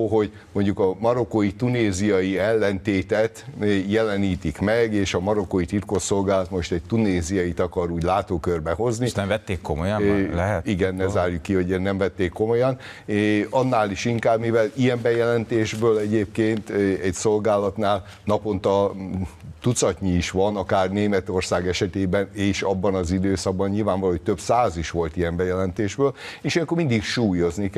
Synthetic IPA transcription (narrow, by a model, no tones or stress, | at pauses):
ɦo̞ɟ | mo̞ɲɟukɒmɒɾo̞kojit̪uneːzijɒjiɛlːɛnt̪eːt̪ɛt̪jɛlɛniːt̪ikmɛɡeːʃɒmɒɾo̞kojit̪irkosːo̞lɡaːlɒt̪mo̞ʃt̪ɛc̚t̪uneːzijɒjit̪ɒkɒɾuːɟlaːt̪oːkørbɛɦo̞zninɛmvɛt̪ːeːkːomojlɛɦɛt̪iɡɛnːɛzaːrjukːiho̞ɟnɛmvɛt̪ːeːkːo̞mo̞jɒn | ɒnːaːliʃiŋkaːbmivɛlijɛmbɛjɛlɛnt̪eːʒbøːlɛɟeːp̚keːnt̪ɛcso̞lɡaːlɒt̪naːl | nɒpo̞nt̪ɒ | t̪ut̪sɒcɲiiʃʋɒnɒkaːrneːmɛt̪o̞rsaːɡɛʃɛt̪eːbɛneːʃɒbːɒnɒzid̪øːsɒɡ̚bɒɲɲilvaːɱvɒloːoc̚ʲt̪øbsaːziʃʋo̞lt̪ijɛmbɛjɛlɛnt̪eːʒbøːleːʃijɛŋkormind̪ikʃuːjo̞znik